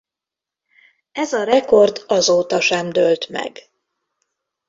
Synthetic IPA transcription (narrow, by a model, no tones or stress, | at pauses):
ɛzɒɾɛko̞rd̪ɒzoːt̪ɒʃɛmd̪ølt̪mɛ̰ɡ